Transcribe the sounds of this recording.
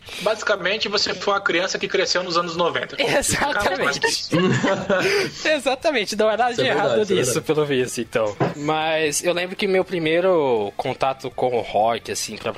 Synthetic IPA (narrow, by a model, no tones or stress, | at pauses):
bazikɐmẽnt͡ʃɪvosefojũmɐkɾiɐ̃sɐkɪkɾesewnʊzɐ̃nʊznovḛ̃nt̪ɐezat̪ɐmẽt͡ʃt͡ʃɪ | ezat̪ɐmẽnt͡ʃɪnɐ̃w̃ɛnad̪ɐɪeɦadd̪ʊnisʊpelʊvisʊẽt̪ɐ̃w̃mɐzewlẽmbɾʊkɪʊmewpɾimejɾʊkõnt̪at̪ʊkõw̃ʊhɔkɪasĩpɾɐ